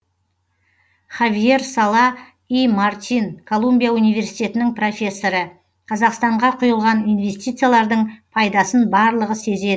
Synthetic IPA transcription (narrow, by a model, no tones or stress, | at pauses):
χavije̞rsɑlˠɑ | ijmart̪ʲinkʰo̞lˠumbijaunijve̞ɾsijt̪e̞t̪ɪnɪŋpro̞fʲe̞sːo̞ɾə | qʰɑzɑqst̪ɑɴʁɑqʰʊjəlˠʁɑnijnve̞st̪ijt̪sɨjalˠɑɾd̪əɴpʰɑjd̪ɑsənbɑɾlˠəʁəse̞ze̞d̪ɪ